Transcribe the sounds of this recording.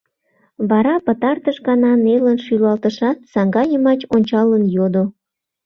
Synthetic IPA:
βɑɾɑpət̪ɑrt̪əʃɡɑnɑnelənʃylɑlt̪əʃɑt̪̚sɑŋɡɑjəmɑt͡ɕonʲt͡ɕɑlənjod̪o

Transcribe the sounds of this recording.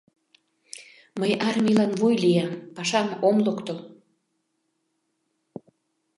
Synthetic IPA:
məjɑrmilɑnβujlijɑmpɑʃɑmomlokt̪əl

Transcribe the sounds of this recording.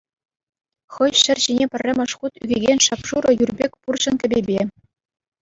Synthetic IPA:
χɤ̆jɕɘ̆rɕinʲepʲɘ̆rʲːɘ̆mʲɤ̆ʂχut̪yɡʲeɡʲenʲʂɑpʂuɾɤ̆jurbʲekʲpurɕɤ̆nkʲɘ̆bʲebʲe

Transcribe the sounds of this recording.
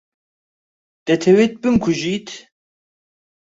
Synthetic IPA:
d̪̥ɛt̪ʰɛwet̪̚bɨŋkʷʰuʒit̪ʰ

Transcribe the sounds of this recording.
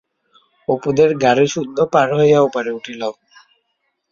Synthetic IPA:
opud̪eɾɡaɾiʃud̪ʱːopaɾɦɔjaupaɾeuʈʰilɔw

